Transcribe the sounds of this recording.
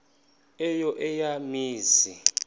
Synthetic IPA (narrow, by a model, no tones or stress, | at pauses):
ɛjɔʔɛjamiːzi